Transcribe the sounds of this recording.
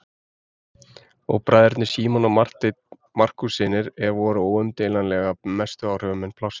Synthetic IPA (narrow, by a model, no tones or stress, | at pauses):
ɔ̰ɣpɾajðɛɾt̪nɪ̥siːmɔnamar̥t̪ɪt̪̚ | mar̥kusɪːnɪɾɛvɔːɾʏoːwʏmt̪ɪːlanlɛɣamɛst̪ʏaːwr̥œvʏmɛnpʰlawsɪ̥